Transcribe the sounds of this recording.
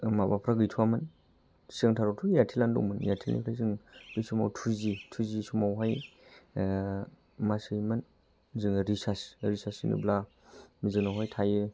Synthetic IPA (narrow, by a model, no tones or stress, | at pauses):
mabapʰɾaɡɯjtʰuamɯn | seŋtʰaɾatʰujatʰilandṵŋmɯnja̰tʰilnḭpʰlajzɯŋbisuma̰wtʰuzitʰuzisumawɦaj | masɯjmɯn | zɯŋɾisasɾisasinɯ̰bla | mizɯŋnawɦajtʰajɯ